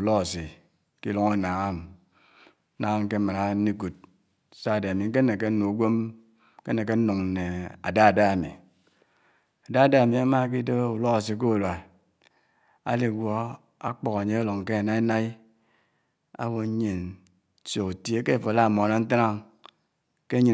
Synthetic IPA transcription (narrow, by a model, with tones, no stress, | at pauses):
u˨lɔ˦a˨si˨ | ki˦lo˦ŋa˦na˨ŋa˦m˦ | na˦ŋa˦m˦ke˦ma˨na˨˦ni˦ku˨t̚ | sa˦˨de˨a˨mi˨ŋ̩˦k̬e˦e˨k̬e˦n̩˦nu˨u˨ɡʷe˦m˦ | ke˦ne˨k̬e˦n̩˦nu˨ŋn̩˨ne˨a̰˨da˦a˨da˦a˨mḭ˨ | a˨da˦a˨da˦˨mi˨a˦ma˦k̬i˦de˦u˨lo˦ka˨s̬i˨k̬o˦u˨lwa˨ | a̰˦li˨ɡʷo˦ | a̰˦k͡pɔ˨ka˨ɲe˦a˦lo˨ŋ˨ke˦a˨na˦i˦na˦i˦ | a̰˦wo˨˦ɲe˨n˦ | so˨ku˨tje˦ke˦˨fo˨la˦˨mo˨na˦n̩˦ta˦a˦ŋ | ke˦ɲi˦˨